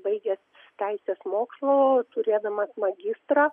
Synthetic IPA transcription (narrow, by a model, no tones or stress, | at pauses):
bɐɪɡʲɛs | t̪ʲɛɪsʲeːsmoːkslˠoːt̪ʊɾʲeːd̪ɐmɐsmɐɡʲɪst̪ɾɑ